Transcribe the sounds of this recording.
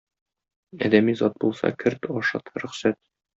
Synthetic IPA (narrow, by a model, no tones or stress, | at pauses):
ɒ̰d̪æmizɒt̪̚bulˠsɑ̰kɘɾt̪ɒʃɑ̰t̪ɾɵ̆χsæt̪̚